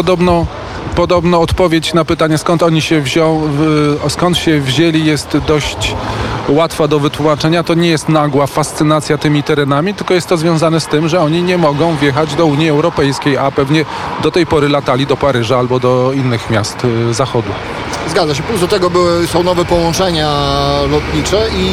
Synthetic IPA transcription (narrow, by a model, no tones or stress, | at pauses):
pɔd̪ɔbnɔ̃ | pɔd̪ɔbnɔ̃ɔt̪pɔvʲjet͡ɕnapɘt̪aɲɛskɔnt̪ɔɲiɕɛvʑɔ̃w̃skɔnt̪ɕɛvʑelʲijɛst̪d̪ɔɕt͡ɕwat̪fad̪ɔvɘt̪wumat͡ʂɛɲat̪ɔɲɛjɛst̪naɡwafast̪sɘnat̪sʲjat̪ɘmʲit̪ɛɾɛnamʲit̪ɘlkɔjɛst̪ːɔzvʲjɔ̃w̃zanɛst̪ɘmʐɛɔɲiɲɛmɔɡɔ̃w̃vʲjɛxad͡ʑd̪ɔuɲjiɛwɾɔpɛjskʲejapɛvɲɛ | d̪ɔt̪ɛjpɔɾɘlat̪alʲid̪ɔpaɾɘʐaalbɔd̪ɔinːɘxmʲjast̪zaxɔd̪u | zɡad̪zaɕ̬ɛplusɔt̪ɛɡɔbɘwɘsɔ̃w̃nɔvɛpɔwɔ̃nt͡ʂɛɲalɔt̪ɲit͡ʂɛi